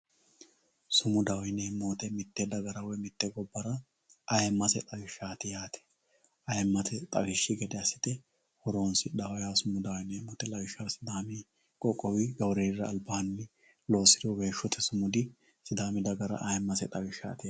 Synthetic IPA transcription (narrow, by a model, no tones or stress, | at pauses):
sʊmʊd̪awjɪneːmːoːt̪ɛmɪt̪ːɛd̪ɐɡɐɾɐwɔjmɪt̪ːɛɡɔbːɐɾɐ | ɐjɛmːɐsɛt̪ʼɐwɪʃːaːt̪ɪjaːt̪ɛ̥ | ɐjɛmːɐt̪ɛt̪ʼɐ̰ɡɪʃːɪɡɛd̪ɛɐsɪ̥t̪ɛ | hɔɾo̞ːnsɪd̪ɐwɐjasʊmʊd̪awneːmːoːt̪ɛlɐwɪʃːɐɾsɪd̪aːmɪ | kʼɔkʼːɔwɪɡɐwɾeːɾɐːlbaːnːɪ | lo̞ːsɪd̪oweːʃːɔt̪ʰɛsʊmʊd̪ɪ | sɪd̪aːmɪd̪ɐɡɐɾɐ̰ʔɐjɛmːɐsɛt̪ʼɐwɪʃa̰ːt̪ɪja